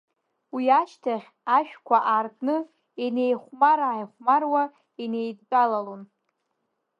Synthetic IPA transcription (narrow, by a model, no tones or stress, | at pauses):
wiat͡ʃʰtʰaχʲ | aʃᶣkʷʰaʔarkʼnɨ | ene̞jχʷmaɾajχʷmarwa | ene̞jdpʼalalon